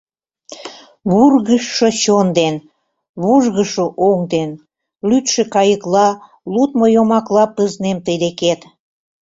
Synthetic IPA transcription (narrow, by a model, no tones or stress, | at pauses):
βurɣəʃːot͡ɕond̪en | βuʒɣəʃoʔoŋd̪en | lyt̪ʃĕkɑjəklɑ | lut̪mojomɑklɑpəznemt̪əjd̪eket̪